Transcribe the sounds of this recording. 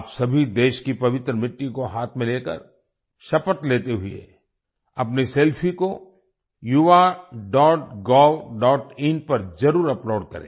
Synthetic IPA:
psɐbʱid̪eːʃkipɐʋɪt̪ɾəmɪʈːikoɦaːt̪ʰmẽleːkə̰ɾ | ʃɐpət̪leːt̪eɦʊḛ | ɐpniseːlpʰiko | juaɖɔːʈɡɔːlɖɔːʈɪnpɐɾzɐɾuːɾɐploːɖkɐ̰ɾḛ̃ː

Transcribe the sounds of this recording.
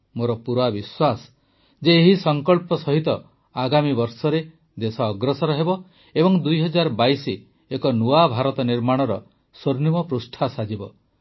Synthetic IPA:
moɾɔpuɾwabiswas | d͡ʒeːɦisɔŋkɔɭpɔsɔɦit̪ɔ | aɡamibɔɾsɔɾe | d̪esɔːɡɾɔsɔɾɔɦebɔ | ebɔŋd̪ujɦɔd͡ʒaɾɔbaisi | ekɔnuabʱaɾɔt̪ɔniɾmaɽ̃ɔɾɔ | soɾnimɔpɾusʈʰasad͡ʒibɔ

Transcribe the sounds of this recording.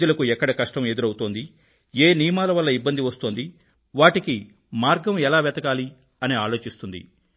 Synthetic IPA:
ulɐkuɛkːɐɽɐkɐʂʈɐme̞d̪uɾɐwut̪oːnd̪i | eːnijmaːlɐʋɐlːɐibːɐnd̪iʋɐst̪oːnd̪i | ʋaːʈiki | maːɾɡɐmɛlaːʋɛt̪ɐkaːli | ɐniaːlo̞ːt͡ʃist̪und̪ḭ

